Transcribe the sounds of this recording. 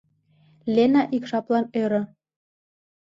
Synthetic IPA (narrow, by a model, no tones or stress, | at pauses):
lʲenɑʔikʃɑplɑnøɾɤ̆